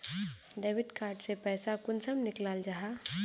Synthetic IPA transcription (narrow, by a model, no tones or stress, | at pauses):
ɖeːʋɪʈkaːɾʈsepɛːsakʊnsəmnɪklaːld͡ʒaɦa